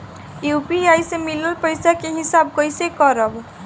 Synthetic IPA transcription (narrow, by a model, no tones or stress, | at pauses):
jupiajsemiləlpəjsakeɦisab̚kʌjsekʌɾʌb